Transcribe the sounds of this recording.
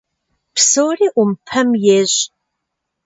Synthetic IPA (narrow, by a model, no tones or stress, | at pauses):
psoːriːʔʊmpʰɐmjeːʑ